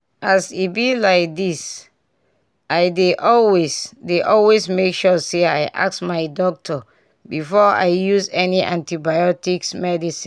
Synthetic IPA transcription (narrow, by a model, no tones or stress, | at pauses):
asibilaɪk̚dis | ʔaɪdeʔɔlwesdeʔɔlwesmekʃɔsea̰ɪʔa̰k̚smaɪdɔk̚tʰɔ | bifɔa̰ɪjusɛniʔã̰ntibajɔtiksmɛdisĩn